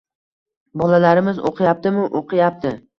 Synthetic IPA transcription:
bɒlalaɾɪmɪzo̰qʰɨjap̚t̪ɪmʊʔoqʰɨjap̚t̪ʰɪ

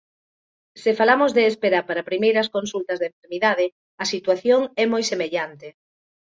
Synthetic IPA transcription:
sefalamozðeːspeɾaɾpaɾɐpɾimejɾɐskonsult̪ɐzðeɱfeɾmiðaðɪ | ɐsit̪waθjoŋɛmojsemeʎant̪e

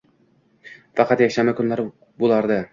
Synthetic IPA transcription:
fɑqʰɑt̪jakʲʃamakʰʊnlaɾ | bolˠaɾd̪ɪ

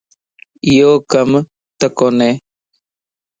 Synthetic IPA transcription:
ijoːkəm | t̪əkoːneː

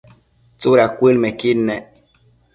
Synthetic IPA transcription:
t͡soɾakwelmɛkinːɛ

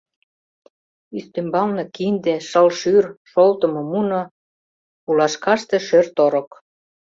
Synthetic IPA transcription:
yst̪embɑlnɤkind̪eʃə̆lʃyrʃolt̪ə̆mŏmuno | ulɑʃkɑʃt̪eʃørt̪oɾok

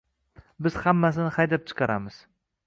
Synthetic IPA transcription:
bɪz̥hamːas̬ɪnɪhajd̪ap̚t͡ʃʰɨ̥qʰɑɾamɪz̥

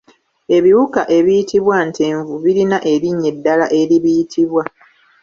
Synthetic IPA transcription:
e̞βiwukaʔe̞βijitʰiβwante̞ːɱvuβiɾinaʔe̞ɾiɲːe̞dːalaʔe̞ɾiβijitʰiβwa

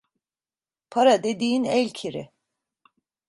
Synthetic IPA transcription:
pʰaɾad̪ed̪iːinɛlʲcʰiɾḭ

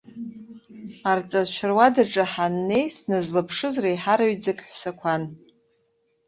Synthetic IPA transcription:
art͡sʼat͡ʃʷʰɪrwadaʈ͡ʂʼaħanːejsnɨzlɨpʰʂɨzrajħaɾaɥd͡zɨkʼħʷsakʷʰan

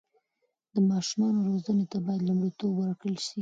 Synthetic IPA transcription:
d̪̥əmɑʃumɑnoɾozənet̪abɑjad̪lumɽit̪obwəɾakəlʃi

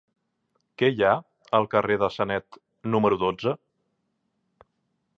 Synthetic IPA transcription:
kɛja | əlˠkəreðəsənɛt̪ | numəɾuðod͡zə

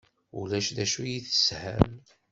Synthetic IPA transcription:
ṵlæʃðæʃujiθə̥shə̰m

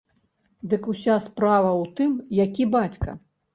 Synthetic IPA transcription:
d̪ɨkusʲaspɾavɐwt̪ɨmjakʲibat͡sʲkɐ̰

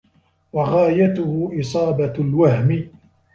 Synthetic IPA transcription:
waɣaːjat̪ʊhʊʔɪsˤɑːbalwahmɪ

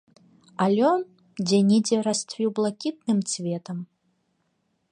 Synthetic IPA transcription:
alʲɔn | d͡zʲɛnʲid͡zʲɛɾast̪vʲiwblˠakʲit̪̚nɨmt͡sʲvʲɛt̪ɐm

